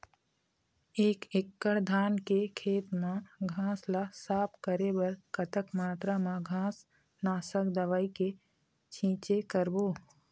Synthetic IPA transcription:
eːkɪkːəɽd̪ʱaːnkekʰeːt̪mãɡʱãːslasaːpkəɾebɐɾkət̪əkmaːt̪ɾamãɡʱãːs | naːsəkd̪əʋaːike | t͡ʃʰĩːt͡ʃekəɾboː

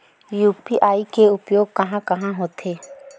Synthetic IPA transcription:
juːpiʔaːikeʊpjoːɡ̚kɐɦãkɐɦãɦoːt̪eː

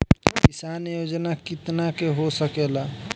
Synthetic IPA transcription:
kisanjod͡ʒnakit̪nakeɦosəkela

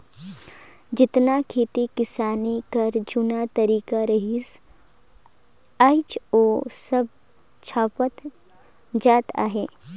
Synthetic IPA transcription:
d͡ʒɪt̪nakʰeːt̪ikɪsaːnikɐɾd͡ʒʊnat̪ɐɾiːkaɾɐɦis | aɪt͡ʃoːsəb̚ | t͡ʃʰaːpət̪ | d͡ʒaːt̪a̰ːɦeː

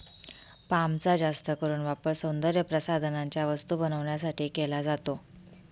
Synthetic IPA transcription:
pamt͡sad͡zast̪əkəɾuːnʋapəɾsə̃w̃nd̪əɾjəpɾəsad̪ʱnaɲt͡ɕjaʋəst̪uːbənəʋɳjasaʈiːkelad͡zat̪o

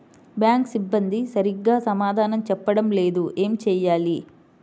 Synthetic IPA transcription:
bjaːŋksibːɐnd̪isɐɾiɡːaːsɐmaːd̪ʱaːnɐmt͡ʃɛpːɐɽɐmle̞ːd̪ue̞ːmit͡ʃɛːjaːli

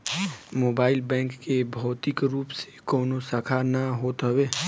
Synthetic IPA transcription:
moːbaːɪlbɛ̃ːŋkːebʱɔːt̪ɪkɾuːpse̥kɔːnosəkʰanaɦoːt̪ɦəweː

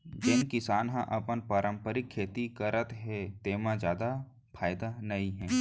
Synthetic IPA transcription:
d͡ʒenkɪsaːnɦã̰ʔɐpənpəɾə̃mpəɾɪkʰːeːt̪ikəɾət̪ɦɛːt̪eːmãzjaːd̪a | pʰaːjɪd̪anɐiɦɛ̃ː

